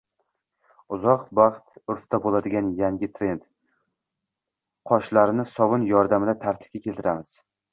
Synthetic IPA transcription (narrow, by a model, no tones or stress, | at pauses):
ʊzɒqbɑχt̪ʊɾft̪abolad̪ɪɡʲanjaŋɡʲɪt̪ʰɾe̞nd̪ | qʰɒʃlaɾɪnɪsɒwɨnjɒɾd̪amɪd̪at̪ʰaɾt̪ʰɪ̥f̚kʲakʲʰe̞lˠt̪ʰɪɾamɪz̥